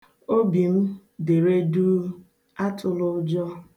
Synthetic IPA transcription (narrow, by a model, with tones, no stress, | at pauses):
o˦bi˨m̩˦ | de˨ɾe˦du˦ | a˦tʰʊ˦lʊ˦d͡ʒɔ˦